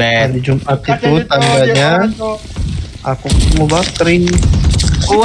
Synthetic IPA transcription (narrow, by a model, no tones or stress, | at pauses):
ɛnid͡ʒumʔat̪it̪ut̪aŋɡaɲa | akumubakɾiŋ